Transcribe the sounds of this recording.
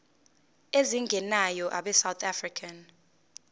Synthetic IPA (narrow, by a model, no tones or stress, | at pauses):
eziŋɡʱɛnajɔʔa̰ɓɛsawt̪ʰafrikʰan